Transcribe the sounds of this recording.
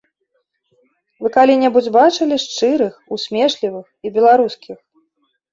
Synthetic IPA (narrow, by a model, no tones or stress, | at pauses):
vɨkalʲinʲɛbud͡zʲbat͡ʂɨlʲiʂt͡ʂɨɾɨxusʲmʲɛʂlʲivɨxibʲɛlˠaɾuskʲix